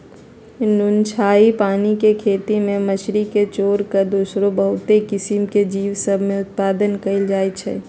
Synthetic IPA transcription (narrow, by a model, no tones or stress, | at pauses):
nʊnt͡ʃʰaːipaːnikekʰeːt̪imẽməʃɾiket͡ʃoːɾkəɾd̪uːsɾõbəɦʊt̪ekɪsɪmked͡ʒiːwsəbʱmẽʊt̪̚paːd̪ənkɐɪld͡ʒaːet͡ʃʰɛ̰ː